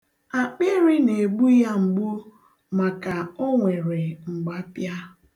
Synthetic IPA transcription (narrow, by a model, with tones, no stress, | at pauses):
a˨k͡pe˦ɾɪ˦ne˨ɡ͡bu˦ja˦ŋ͡m̩˨ɡ͡bu˦ | ma˨ka˨o˦ŋʷe˨ɾe˨ŋ͡m̩˨ɡ͡ba˦pja˦